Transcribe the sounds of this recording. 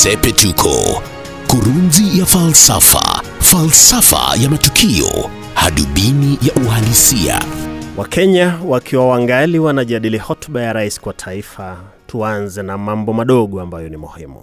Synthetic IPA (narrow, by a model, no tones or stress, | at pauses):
sɛpɛtukʰɔ̰ | kuɾunzijafalsa̰fa̰falsafa̰jamatukʰiɔ | ha̰ɗuɓinijaʔuhalisia̰wʔakʰɛɲawakʰiwawaŋɡaliwanaʄaɗilihɔtɓajaɾaisi̥kwatʰaifa | tʰuanzɛnamambɔmaɗɔɠɔambajɔnimuhimṵ